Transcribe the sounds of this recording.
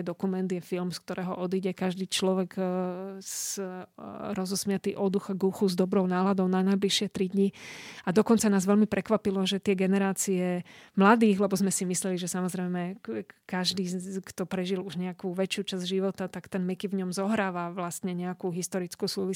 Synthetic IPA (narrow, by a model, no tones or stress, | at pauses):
d̪ɔkumɛnd̪jɛfilmsk̚t̪ɔɾɛːɦɔʔɔd̪iɟɛkaʒd̪iːt͡ʃlɔʋɛɡ | ɾɔzɔsmɪat̪iːʔɔd̪uxaɡuxuzd̪ɔbɾɔʊnaːlad̪ɔʊnanajbliʃɪɛt̪ɾid̪ɲiad̪ɔkɔnt͡sanaːzʋɛlmipɾɛkʋapilɔʒɛt̪ɪɛɡɛnɛɾaːt͡siɛmlad̪iːɣlɛbɔzmɛsimislɛliʒɛsamɔzɾɛjmɛkaʒd̪iːkt̪ɔpɾɛʒiluʒɲɛakuːʋɛt͡ʃɪuːt͡ʃazɟʒiʋɔt̪at̪akt̪ɛnmɛkivɲɔmzɔɦɾaːʋaʋlast̪ɲɛɲɛakuːɦist̪ɔɾit͡skusuːʋi